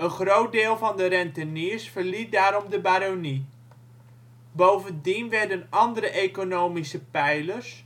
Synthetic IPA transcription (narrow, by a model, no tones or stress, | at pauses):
ənχrowt̚dɪːlˠvɑndəɾɛntəniːsfəɹlit̚daːɾɔmdəbaːɾoni | bowvəndinʋɛɹdənɑndəɾəʔekonowmisəpɛjləɹs